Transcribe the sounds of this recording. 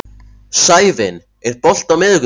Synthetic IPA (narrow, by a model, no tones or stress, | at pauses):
saːjvɪn | ɛɾpɔl̥t̪awmɪðɣ